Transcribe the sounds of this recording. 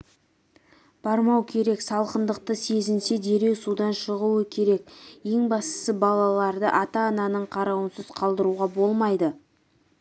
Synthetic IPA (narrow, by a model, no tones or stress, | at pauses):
b̥ɑɾmɑwkʲʰe̞ɾe̞ksɑlˠqənd̪əq̚t̪əse̞zɪnse̞d̪e̞ɾe̞wsud̪ɑnʃəʁuwəkʲʰe̞ɾe̞kje̞ŋbɑst̪ə̥səbɑlˠɑlˠɑɾd̪əʔɑt̪ɑːnɑnəɴqʰɑɾɑwənsəz̥qʰɑlˠd̪əɾuʁɑbo̞lˠmɑjd̪ə